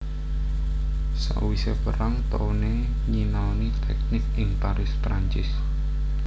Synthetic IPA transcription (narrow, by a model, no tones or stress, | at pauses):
sa̰ʔwisepəɾaŋt̪one | ɲinanit̪ɛk̚nɪkʔɪŋpaɾɪspɾaɲt͡ʃɪs